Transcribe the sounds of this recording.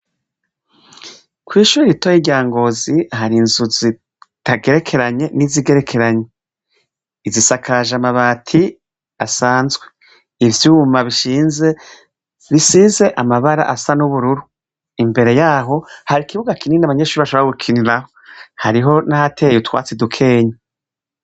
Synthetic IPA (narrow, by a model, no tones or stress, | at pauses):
kwiːʃuːɾiɾitojiɟaːŋɡo̞ziɦaɾinzuzi | tʰaɡe̞ɾe̞kʰe̞ɾaɲe̞niziɡe̞ɾe̞kʰe̞ɾaɲe | izisakʰaʒamaβaːtʰi | asaːnzɡwe̞ | ivjumaβiʃiːnze̞ | ɾisize̞ʔamaβaɾa̰ʔasanuβuɾuɾu | imbe̞ɾe̞jaːɦo̞haɾikiβuɡakininaβaɲeʃuɾiβaʃoβɾaɡukʰiniɾaho̞haɾiɦo̞nahatʰejutwa̰ːt͡sedukʰe̞ːɲa